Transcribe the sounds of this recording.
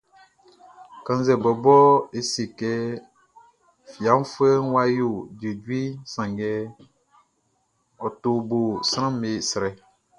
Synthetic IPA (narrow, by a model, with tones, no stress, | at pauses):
kã˦n˦zɛ˨bɔ˨bɔ˦e˨si˨kɛ˦ | fi˨a˨˦m˦fe˦wa˦ju˨d͡ʒe˨dwi˦sã˨ŋɡɛ˦ | ɔ˨tu˦bu˨sɾã˦m˦e˨si˨ɾɛ˨